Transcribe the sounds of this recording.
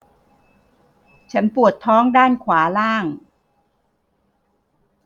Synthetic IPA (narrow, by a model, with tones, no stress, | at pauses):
t͡ɕʰa˦˥npu˨˩ət̪ʰːɔː˦˥ŋdaː˥˩nkʰwaː˩˦laː˥˩ŋ